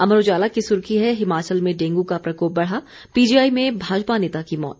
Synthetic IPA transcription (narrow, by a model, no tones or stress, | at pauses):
ɐməɾoːd͡ʒaːlakisʊɾkiɦɛɦɪmaːt͡ʃəlmẽɖẽːŋɡukapɾɐkoːp̚bɐɽ̤a | piːd͡ʒijaːimẽbʱaːd͡ʒpaneːt̪akimɔ̰ːt̪